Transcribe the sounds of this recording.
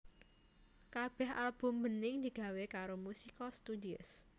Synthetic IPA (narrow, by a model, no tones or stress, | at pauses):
kab̥ɛha̰lb̥ʊ̤mbənɪŋd̪̥iɡ̥a̤wekaɾomusikɔst̪ud̪iʊ̰s